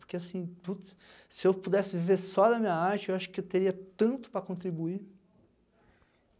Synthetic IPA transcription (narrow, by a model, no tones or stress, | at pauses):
oɾkeasĩput̪ɐ̥ | sɪewpud̪ɛsɪviveɾsɔd̪ɐmĩɲɐaɾt͡ʃɪewaʃʊ̥kɪewt̪eɾiɐt̪ɐ̃nt̪ʊ̥pɾɐkõt̪ɾibui